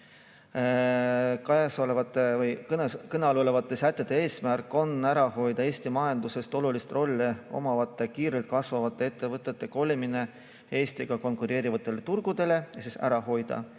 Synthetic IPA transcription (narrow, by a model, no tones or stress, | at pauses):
kɑjɑsolevɑt̪ːˑevɯjknekɤneɑlolevɑt̪ˑːe̞sæt̪ːˑe̞d̪̥e̞e̞ːsmærkːˑo̞næɾɑho̞jd̪̥ɑe̞ːsʲt̪imɑjɑnd̪use̞st̪o̞lulist̪ro̞lʲːio̞̰mɑvɑt̪ːˑe̞kiːɾelt̪̚ˑkɑsvɑvɑt̪ˑːe̞e̞t̪ːe̞vɤt̪ːˑe̞t̪ːˑe̞ko̞lʲimine̞ | e̞ːsʲt̪iɡ̥ɑko̞nkuɾe̞ːɾivɑt̪ːˑe̞let̪urɡ̥ud̪̥e̞le̞jɑsisæ̰ɾɑɦo̞jd̪̥ɑ̰